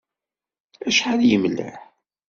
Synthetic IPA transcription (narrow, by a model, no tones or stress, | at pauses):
æʃħaljəmlːə̰ħ